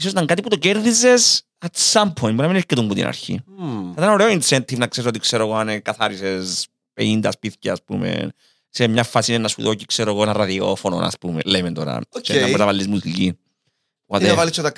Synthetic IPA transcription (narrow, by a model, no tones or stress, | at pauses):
isosit̪aŋkat̪iput̪oceɾðizes | ɐsampʰojnbunɐmineɾkit̪umbut̪ḭnʔɐ̰ɾçḭθɐt̪ɐno̞ɾeoinsent̪ivnɐkseesot̪ikseɾoɣoanekɐθaɾises | pḛnind̪ɐspiθcaːspumḛ | semɲafːasinenːɐsṵðocikseɾoɣoenɐrɐðio̰fono̰nɐ̰spumḛlejment̪oɾɐ̰oeenɐpet̪ɐvalːizmut̪uʎi | at̪eɐvalit͡ʃːot̪ɐ